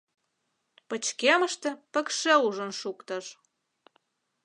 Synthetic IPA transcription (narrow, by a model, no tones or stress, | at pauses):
pə̆t͡ɕkeməʃt̪ĕpə̆kʃeuʒə̆nʃukt̪ə̆ʃ